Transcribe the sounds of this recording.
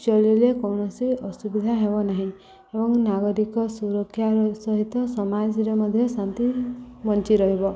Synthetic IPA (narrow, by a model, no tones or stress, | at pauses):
t͡ʃɔlilekɔwɳɔsiɔsubid̪ʱaɦebɔnaɦĩ | ebɔŋnaɡɔɾikɔsuɾɔkʰːjaɾsɔɦit̪ɔsɔmad͡ʒɾemɔd̪ʱjɔsant̪ibɔnt͡ʃiɾɔɦibɔ